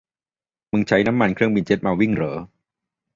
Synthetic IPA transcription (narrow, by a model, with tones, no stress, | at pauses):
mɯ˧ŋt͡ɕʰa˦˥jna˦˥mːa˧nkʰɾɯ˥˩əŋbi˧nt͡ɕʰe˦˥t̪̚maː˧wi˥˩ŋɾɤː˩˦